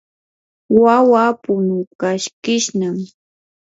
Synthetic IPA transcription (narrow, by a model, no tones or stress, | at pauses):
wawapʊnʊkaʃkɪʃnam